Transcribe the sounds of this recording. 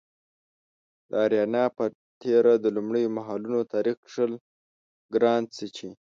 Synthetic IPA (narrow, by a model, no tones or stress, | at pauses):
d̪əaɾjɑnɑpə | t̪ʰeɾad̪əlumɽəjomaɦɑlunot̪ɑɾixʂəl | ɡɾɑnt͡sət͡ʃi